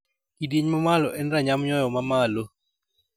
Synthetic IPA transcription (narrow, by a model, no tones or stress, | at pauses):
kidjeɲmamalɔʔɛnraɲamjɔjɔmamalo